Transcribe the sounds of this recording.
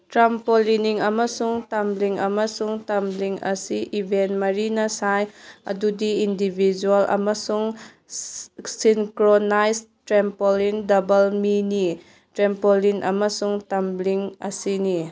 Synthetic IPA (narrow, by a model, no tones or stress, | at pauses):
tɾampoliniŋɐmɐsuŋtamliŋɐmɐsuŋtɐmliŋʔɐ̰siʔibʱenmɐɾinɐsajɐ̰dudiindibʱid͡ʒuɐlʔɐ̰mɐsuŋ | sinkɾonajstɾempolindɐbɐlmini | tɾempolinʔɐ̰mɐsuŋtambliŋɐ̰sini